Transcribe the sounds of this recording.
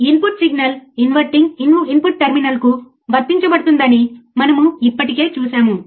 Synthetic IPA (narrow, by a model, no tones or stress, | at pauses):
inpuʈsiɡnɐlinʋɐɾʈiŋɡinuinpuʈ̚ʈeɾminɐlku | bɐɾt̪ːiɲt͡ʃɐbɐɽut̪und̪ɐnimɐnɐmuipːɐʈike̞ːt͡ʃuːsaːmu